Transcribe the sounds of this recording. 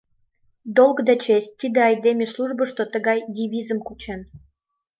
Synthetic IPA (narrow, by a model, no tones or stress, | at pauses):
d̪olˠɡd̪et͡ɕesʲt̪id̪eɑjd̪emʲesluʒbəʃt̪ot̪əɣɑjd̪ʲiβʲizəmkut͡ɕen